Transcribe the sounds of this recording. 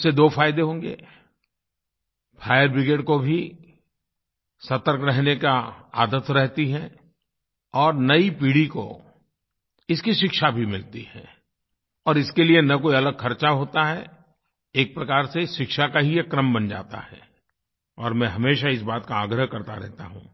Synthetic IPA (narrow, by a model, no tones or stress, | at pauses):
sed̪oːfʰaːjd̪eɦõːŋɡḛː | pʰaːjəɾbɪɡeːʈkobʱi | sɐt̪əɾkɾɛɦnekaa̰ːd̪ət̪ɾɛɦt̪iɦɛ | ɔːɾnɐipiːɽiko̰ | ɪskiʃɪkʃabʱimɪlt̪ihɛ̰̃ː | ɔːɾɪskelienɐkoːiɐləɡxʰɐɾt͡ʃaɦoːt̪aɦɛ | eːk̚pɾɐkaːɾseʃɪkʃakaɦijekɾəmbɐnd͡ʒa̰ːt̪a̰hɛ̰ː | ɔːɾmɛ̃ɦɐmeːʃaɪs̬baːt̪kaaːɡɾəɦkɐɾt̪aɾɛ̰ɦt̪a̰ɦṵ̃ː